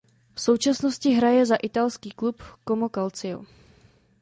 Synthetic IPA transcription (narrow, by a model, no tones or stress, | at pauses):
fso̞wt͡ʃasnoscɪɦɾajɛzaʔɪt̪alskiːklupkomokalt͡sɪo̰